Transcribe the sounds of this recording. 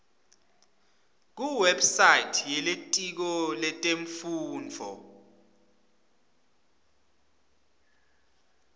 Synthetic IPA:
k̬uwɛbsajitʰjɛletʼik̬ɔlɛtʼeɱfuːnd͡vʱɔ̰

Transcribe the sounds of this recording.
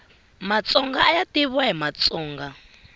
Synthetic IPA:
mat͡sʼɔŋɡaːjatiβwaɦimat͡sɔːŋɡa

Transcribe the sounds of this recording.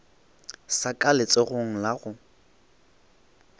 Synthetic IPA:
sakʼalɪt͡sʼeɣʊŋ̩laɣʊ

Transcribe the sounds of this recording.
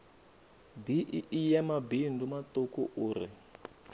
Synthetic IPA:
biʔiʔijamabindumatokuʔuːɾḭ

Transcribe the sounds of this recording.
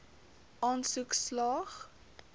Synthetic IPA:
ʔɑːnsukslɑːχ

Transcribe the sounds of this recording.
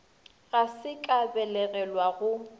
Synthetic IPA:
ɣasɪkʼabɛlɛɣɛlwaɣʊ

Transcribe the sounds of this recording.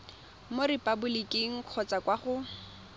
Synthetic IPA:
moɾɪpʼabʊlikʼɪŋ̩q͡χʰɔt͡sʼakwaχʊ

